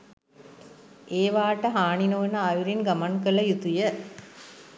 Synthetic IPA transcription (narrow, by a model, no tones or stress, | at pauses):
eːʋaːʈəɦaːɳinoːnəːjuɾinɡɐmankələjut̪ujə